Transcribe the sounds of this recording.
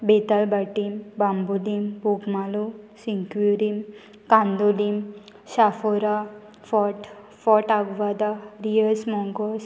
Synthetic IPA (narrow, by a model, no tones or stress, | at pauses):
bet̪albaʈimbambulimbuɡmalusiŋkjuɾim | kãnd̪ulim | ɕafɔɾa | fɔʈ | fɔʈaɡʋad̪aɾiəsmɔŋɡɔs